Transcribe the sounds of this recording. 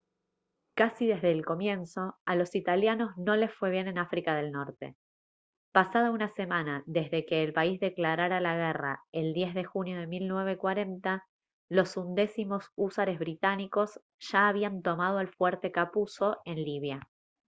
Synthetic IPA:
kasiðe̞zðe̞ːlko̞mje̞nso̞alo̞sit̪aljano̞zno̞le̞sfwe̞β̞je̞ne̞nafɾikaðe̞lno̞ɾt̪e̞̰ | pasað̞aunase̞manaðe̞zðe̞ke̞ːlpaizðe̞klaɾaɾalaɣ̞era̰e̞ld̪je̞zðe̞xunjo̞ð̞e̞milnwe̞β̞e̞kwaɾe̞nt̪a | lo̞sund̪e̞simo̞susaɾe̞zβɾit̪aniko̞s | ʒ̥aːβ̞iant̪o̞mað̞o̞alfweɾt̪e̞kapuso̞e̞nliβ̞ja

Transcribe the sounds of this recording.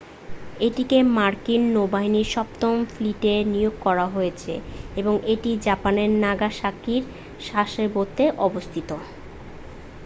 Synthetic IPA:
eʈikemaɾkinːobaɦiniɾʃɔp̚t̪omfliʈenijoɡ̚kɔɾaɦojet͡ɕʰḛeboŋʔeʈid͡ʑapaneɾnaɡaʃakiɾ | ʃaʃeɾbot̪ːeʔɔbost̪ʰit̪o

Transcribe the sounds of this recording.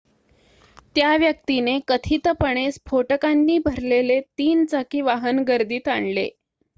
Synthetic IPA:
t̪jaʋjək̚t̪inekət̪ʰit̪əpəɳesfʰoʈəkanːiːbʱəɾlelet̪iːnt͡sakiːʋaɦənɡəɾd̪iːt̪aɳlḛ

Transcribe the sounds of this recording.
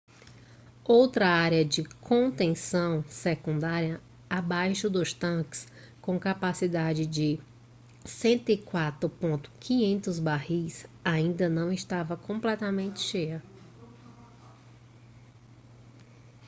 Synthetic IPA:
owt̪ɾɐaɾjɐd͡ʒɪkʰõt̪ẽsɐ̃w̃sekũnd̪aɾiɐ | abajʃʊd̪ʊst̪ɐ̃kɪ̥s | kõkapasid̪ad͡ʒɪd͡ʒɪ | sẽnt̪ʊɪkwat̪ɾʊpõnt̪ʊ̥kʰĩɲẽnt̪ʊzbaɦisaĩnd̪ɐnɐ̃w̃ɪʃt̪avɐkõmplɛt̪ɐmẽnt͡ʃɪ̥ʃejɐ

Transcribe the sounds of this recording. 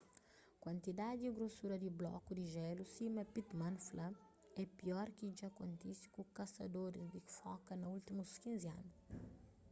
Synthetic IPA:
kwɐ̃nt̪id̪ad̪diɡɾosuɾɐd̪iblɔ̰kud̪iʒɛlusimɐpit̪mɐ̃nflɐ | ɛpiɔɾkid͡ʒakõnt̪isi̥kukɐsɐd̪oɾd̪ikfɔkɐnɐult̪imuskĩnzia̰nu

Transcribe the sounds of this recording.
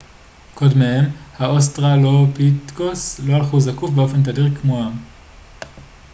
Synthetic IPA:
kodmehemhaʔos̬tʁalopit̪koslo̞alχuzakufbeo̞fe̞nt̪adiʁkmoa

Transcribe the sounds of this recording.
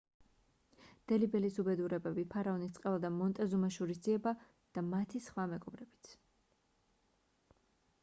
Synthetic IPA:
d̪̥ɛlibɛlisubɛd̪uɾɛbɛbipʰaɾaɔnist̪sʼqʼɛvad̪amɔnt̪ʼɛzumaʃuɾis̬d̪ziɛba | d̪̥amat̪ʰisχwamɛɡʼɔbɾɛb̥i̥t̪sʰ

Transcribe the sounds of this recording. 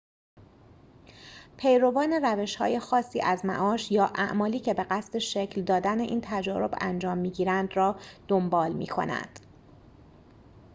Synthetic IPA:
pʰe̞jɾo̞vɒːne̞ræve̞ʃhɒ̰ːje̞xɒːsːiːʔæzmæ̰ʔɒːʃjɒːʔæ̰ʔmɒːliːcʰe̞be̞ɢæst̪e̞ʃe̞cʰld̪ɒːd̪æneʔiːnt̪ʰæd͡ʒɒːɾo̞bæ̰nd͡ʒɒːmːiːɟiːɾænd̪rɒːd̪̥o̞mbɒːlmḭːkʰo̞̰næ̰nd̪̥

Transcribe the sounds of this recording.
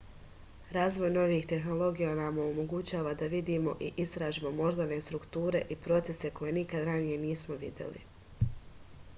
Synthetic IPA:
ɾaːzʋo̞jno̞ʋiːxt̪e̞xno̞lˠo̞ɡijanamoomo̞ɡut͡ɕaːʋad̪aʋid̪iːmo̞ʔiʔist̪ɾaːʒimo̞mo̞ʒd̪ane̞st̪ɾukt̪uːɾe̞ʔipɾo̞t̪se̞se̞ko̞je̞nikad̪ɾanije̞niːsmoʋḭd̪jḛlḭ

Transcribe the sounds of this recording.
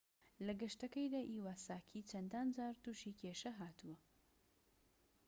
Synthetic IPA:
lɐɡɐʃt̪ɐkɐjd̪aːʔiːwaːsaːkʰiːt͡ʃʰɐnd̪aːnd͡ʒaːɾt̪uːʃikʰeʃɐɦaːt̪uwɐ

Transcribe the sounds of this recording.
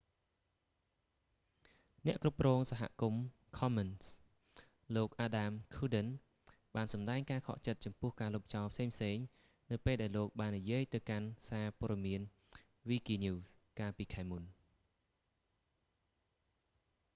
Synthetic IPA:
nɛ̆əʔkrup̚krɔːŋsaɦa̰ʔkum | kʰɑməns | loːk̚ʔaːɗamkʰuːɗən | ɓaːnsɑmɗaɛŋkaːkʰɑ̰ʔt͡ɕət̪̚t͡ɕɑmpʊəhkaːloːp̚ʰt͡ɕɑɔlpʰseːŋpʰseːŋ | nɨwpeːlɗaɛloːk̚ɓaːnːijiəjt̪ɨwkansaːpŏəɗɑmiən | ʋiːkiːnuːs | kaːlpiːkʰaɛmun

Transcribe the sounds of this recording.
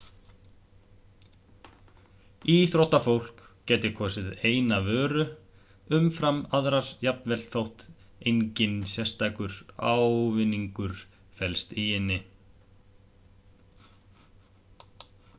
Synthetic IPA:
iθɾowht̪afowl̥kcɛːt̪ɪkʰɔːsɪðeːjnavœːɾʏ | ʏmfɾamaðɾaɾ̥jap̚nvɛlt̪θowht̪ | ejɲcɪnsjɛ̥st̪aːjkʏɾ̥a̰wvɪnːiŋkʏɾ̥ | fɛlst̪iɪnːɪ

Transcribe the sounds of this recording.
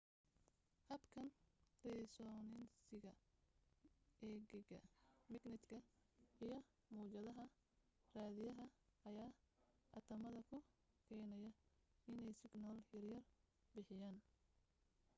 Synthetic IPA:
hɐbkʰɐnrɛsɔːnɪnsɪɣɐ | ʔɛːɡɪɡɐ̰mɪɡnɪt̪kʰɐijɞ | muːt͡ʃɐðɐɦɐ | raːðɪjɐɦɐɐjaː | ʔɐ̰t̪ʰɐmɐðɐkʰʊ | kʰɛːnɐjɐɪnɛjsɪɡnɔːljɐrjɐr | bɪħɪjaːn

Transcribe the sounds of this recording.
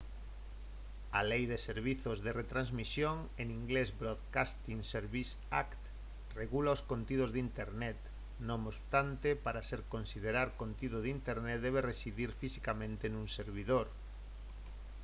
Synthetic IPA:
alejðeseɾβiθozðeret̪ɾanzmisjoŋ | eŋiŋɡlezbɾoðkast̪iŋseɾβis | a̰kt̪ | reɣulaoskont̪ið̞ozðint̪eɾnɛt̪ | nõŋot̪ant̪epaɾaseɾkonsið̞eɾaɾkont̪ið̞oðint̪eɾnet̪d̪ɛβ̞eresiðiɾfisikamẽnt̪enũŋseɾβiðoɾ

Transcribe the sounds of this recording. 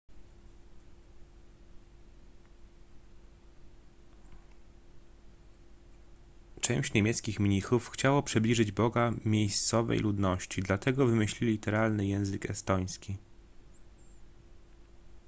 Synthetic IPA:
t͡ʂɛ̃w̃ɕt͡ɕɲemʲjɛt̪skʲixmʲɲixufxt͡ɕawɔpʂɘblʲiʐɘd͡ʑbɔɡamʲjejst̪sɔvɛ̰jlud̪nɔɕt͡ɕid̪lat̪ɛɡɔvɘmɘɕlʲilʲit̪ɛɾalnɘjɛ̃w̃zɘkɛst̪ɔj̃skʲi

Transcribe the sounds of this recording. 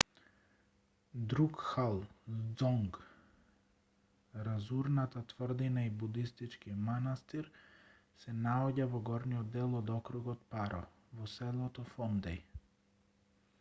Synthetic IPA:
d̪ɾukxalˠd̪zɔŋɡ | ɾazuɾnat̪at̪vr̩d̪inaibud̪ist̪it͡ʃkimanast̪iɾ | sɛnaɔɟavɔɡɔɾnijɔd̪ːɛlˠɔd̪ɔkɾuɡɔt̪paɾɔ̰ | vɔsɛlˠɔt̪ɔfɔnd̪ɛj

